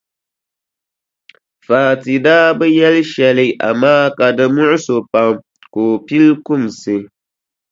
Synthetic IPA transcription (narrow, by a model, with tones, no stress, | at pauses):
faː˨ti˨daː˦bɨ˦jɛ˦lɨ˦ʃɛ˨lɨ˦ʔa̰˨maː˦ka˨dɨ˦mʊ˦ʔʊ˦so˨pa˨m | koː˨pi˦lkʊ˦˨m˨sɨ˨